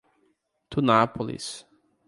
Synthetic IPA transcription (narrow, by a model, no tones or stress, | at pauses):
t̪ʰunapolḭs